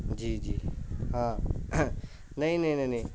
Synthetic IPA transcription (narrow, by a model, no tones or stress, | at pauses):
d͡ʒiːd͡ʒiːɦãː | nɐĩnɐĩnɐinɐĩ